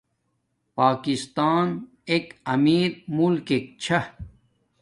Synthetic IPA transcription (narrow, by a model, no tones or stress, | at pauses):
paːkist̪aːn | ekɐmiːɾmulkek̚t͡ɕʰa